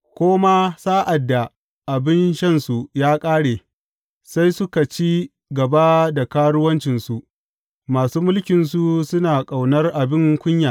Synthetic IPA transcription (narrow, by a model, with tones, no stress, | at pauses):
kʷoː˦ma˦saː˦ʔa˨dːa˨ | ʔa˨bɪ˦nʃɐ˦nsu˨jaː˦kʼaː˦ɽeː˨ | sa˦jsʊ˦ka˨t͡ʃiː˦ | ɡɐ˨ba˦da˨kaː˦ɽʊ˦wɐ˦nt͡ʃɪ˨nsu˨ʔ | maː˨suː˦mʊ˦lkʲɪ˨nsu˦˨sʊ˦naː˨kʼa˨wnɐ˦rʔa˨bɪ˦ŋkʷʊ˦ɲjaː˨